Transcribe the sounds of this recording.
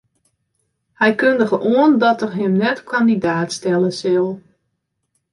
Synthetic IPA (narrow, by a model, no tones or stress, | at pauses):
hɛjkøndəɣəʔuəndɔtərɦɪmnɛtkʰandidaːtstɛlˠəsɪlˠ